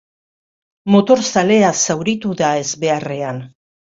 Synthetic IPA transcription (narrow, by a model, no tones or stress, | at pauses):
mo̞t̪o̞ɾsale̞asawɾit̪uðae̞zβe̞are̞an